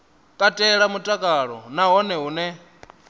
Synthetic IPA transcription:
kʼatʼɛɺamutʼakʼaːɺɔ̰naɦɔnɛɦuːnɛ

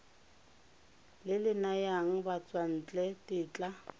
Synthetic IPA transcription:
lɪlɪnajaŋ̩bat͡sʼwan̩ːt͡ɬʼɛtɪt͡ɬʼa

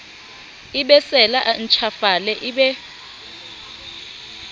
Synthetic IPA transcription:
iɓɛsɛlaʔn̩t͡ʃʰafalɛʔiɓɛ

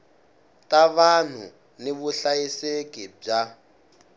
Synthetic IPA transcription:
taβan̤ṵ | niβuɬajisekʼib͡ʐa

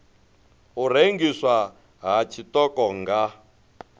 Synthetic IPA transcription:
ureŋɡiswa | ɦat͡ʃʰitɔkɔŋɡa

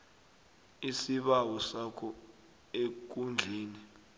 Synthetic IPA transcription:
isiɓawɔsakʰɔ | ek̬und͡ɮʱiːni

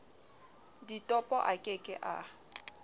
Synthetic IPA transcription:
ditʼɔpʼɔʔakʼekʼɪ̰ʔa̰

